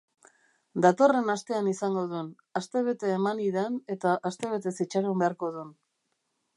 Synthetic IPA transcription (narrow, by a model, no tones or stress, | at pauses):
d̪at̪o̞re̞nast̪e̞anisaŋɡo̞ð̞un | ast̪e̞β̞e̞t̪e̞ːmaniðane̞t̪aʔast̪e̞β̞e̞t̪e̞sit͡ʃaɾumbe̞aɾko̞ðun